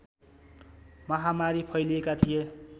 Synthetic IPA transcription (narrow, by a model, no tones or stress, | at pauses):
mʌɦamaɾipʰʌjliekat̪ʰije